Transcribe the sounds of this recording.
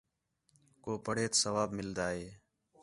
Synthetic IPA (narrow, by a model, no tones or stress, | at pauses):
koːpəɽeːt̪səʋaːbmɪld̪aːɦeː